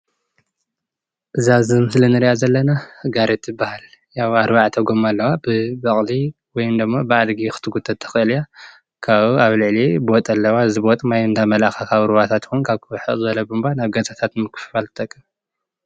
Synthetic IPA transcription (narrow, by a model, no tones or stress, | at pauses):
ʔɨzazɨmɨslɨnɨɾiʔazɐlːɐnahɨɡaɾet̪ʰɨbahal | jawaɾbaʕt̪ʰɐɡomalːɐwabɨbɐχʼli | wɔjumd̪ɨmːobɨʔad̪ɡixɨ̥t̪ʰɨɡut̪ʰːɐt̪ʰɐ̥xɨʔɨlja | kʰaβuaβlɨʕlibot̪ʼɐlːɐwaɨzibot̪ʼmajɨnd̪ʰamɐlaxakʰaβɨɾβat̪ʰat̪xunkʰaβkʰɨwħɨʔʼzɨɐlɐbɨmbanaβɡɐzʼat̪ʰat̪mɨkʰːɨ̥ffalt̪ɨt̪ʼɐkʼːɨ